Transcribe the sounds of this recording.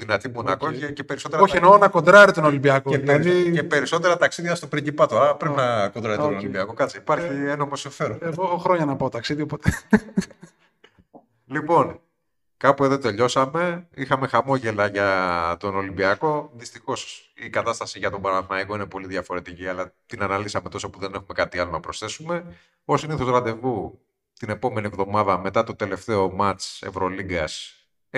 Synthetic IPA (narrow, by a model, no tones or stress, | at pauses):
ðinɐt̪imo̞nɐkocecepe̞ɾiso̞t̪eɐoçienoonɐko̞nd̪ɾɐɾit̪o̞no̞limbiɐkoeðiepe̞ɾiso̞t̪e̞ɾɐt̪ɐksiðʝɐst̪opɾiɟipɐt̪oɐɐpɾeinɐko̞nd̪ɾɐɾionolibiɐko̞kɐt͡siipɐɾçienomosiɱfeɾoɣoxɾo̞ɲɐnɐpɐot̪ɐksiðiopot̪e | lipo̞n | kɐpueðo̞t̪e̞ʎo̞sɐme̞ixɐme̞xɐmo̞ʝe̞lɐʝɐt̪o̞no̞limbiɐko̞ðist̪ixo̞sikɐt̪ɐst̪ɐsiʝɐt̪o̞bɐɾɐθnɐiko̞ine̞po̞liðʝɐfo̞ɾe̞t̪iciɐlɐt̪inɐnɐlisɐme̞t̪o̞sopuðe̞nexume̞kɐt̪iɐlo̞nɐpɾosθe̞sume̞ | osiniθo̞zɾɐnd̪e̞vu | t̪ine̞po̞me̞nie̞vðo̞mɐðɐme̞t̪ɐt̪o̞t̪e̞le̞ft̪e̞o̞mɐt͡sḛvɾo̞liɡɐs